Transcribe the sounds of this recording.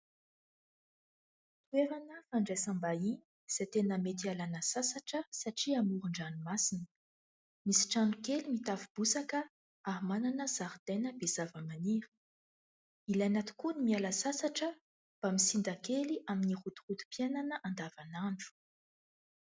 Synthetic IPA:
t̪ueɾanəfaɳɖ͡ʐesambainiz̥et̪enəmet̪ialanəsasaʈ͡ʂəsaʈ͡ʂiamuɾuɳɖ͡ʐanimasinə | misi̥ʈ͡ʂanukelimit̪avib̥usakə | aɦmananəzaɾd̪enəbez̥avəmaniɾə̥ | ilanat̪i̥kunimialasasaʈ͡ʂə | b̥amisind̪akeliʔaminiχut̪u̥χut̪u̥piananəʔand̪avanaɳɖ͡ʐu̥

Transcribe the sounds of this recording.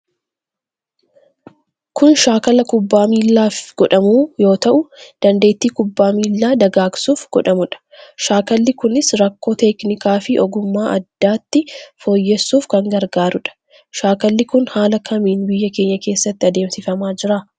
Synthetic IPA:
kʊnʃaːkɐlɐkʊbːaːmiːlːaːfɡ̥ɔᶑɐmuːjo̞ːt̪ɐʔʊd̪̥ɐnd̪e̞ːt̪ːiːkʊbːaːmiːlːaːd̪ɐɡaːɡsuːfɡ̥ɔᶑɐmʊᶑɐ̥ʃaːkɐlːɪkʊnɪsɾɐkːo̞ːt̪ɛknɪkaːfɪʔɔɡʊmːaːʔɐ̰d̪ːaːt̪ːɪfoːjːɛsːuːfkɐŋɡɐɾɡaːɾʊᶑɐ̥ | ʃaːkɐlːɪkʊnhaːlɐkʰɐmiːnbɪjːɐke̞ːɲːɐke̞ːsːɐt̪ːɪɐd̪e̞ːmsɪfɐmaːd͡ʒɪɾaː

